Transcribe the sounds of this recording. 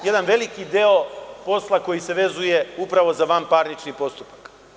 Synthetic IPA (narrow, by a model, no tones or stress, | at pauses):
jed̪anʋe̞likid̪eo̞po̞slˠako̞jise̞ʋe̞zuje̞upɾaʋo̞zaʋaːmpaːɾnit͡ʃnipo̞st̪upḁk